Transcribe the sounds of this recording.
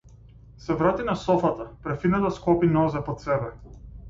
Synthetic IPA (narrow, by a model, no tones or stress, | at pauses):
sɛvɾat̪inasɔfat̪apɾɛfid̪nat̪askɔpinɔzɛpɔt̪sɛbɛ